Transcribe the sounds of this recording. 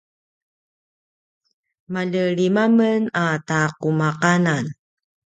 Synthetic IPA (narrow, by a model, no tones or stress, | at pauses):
maʎəɭimamənataqumaqanan